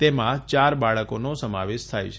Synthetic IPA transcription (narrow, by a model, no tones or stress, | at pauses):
t̪emãt͡ʃaɾbaɭəkonosəmaʋeʃt̪ʰajt͡ʃʰ